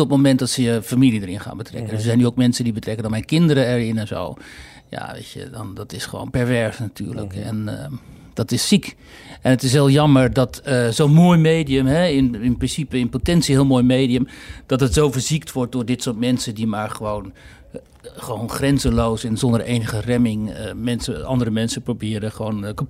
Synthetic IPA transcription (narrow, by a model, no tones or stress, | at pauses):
ɔt̚momɛntdɔtsəəfamilidəɹɪnχa̰ːnbətrɛ̰kkəndsəzɛjnyoʊkmɛnsədibətrɛkəndɔnmɛjnkɪndəɾəɛɹɪnɛnzo̰w | ja̰ʋḛɪtə̰dɑ̰ndɑtɪsχəʋo̰ːnpɛɹvɛɹsnatʰy̰ːɹlə̰kɛ̰n | dɑtɪsːik | ʔɛnətɪsʋeːlˠjɑməɹdɑtəzownmoːjmejdiəmɦɛɪnɪnprɪnsipəɪnpotɛnsiɦɪːlˠmoːjmejdiəmd̥ɑtətsowvəɹziktʋɔɹt̚dʊːɹdɪtsʊːɹtmɛnsəndimaːɹχəʋown | χəʋownχrɛnzəlowsɛnzɔndəɹʔejnəχərɛmɪŋəmɛnsəʔɑ̰ndəɾəmɛnsəprobɪːɾəχʋoːnkəp